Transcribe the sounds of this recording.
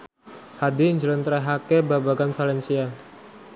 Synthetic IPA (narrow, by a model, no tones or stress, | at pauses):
hadiːɲd͡ʒələnt̪ɾaɦakebabaɡanfalɛnsia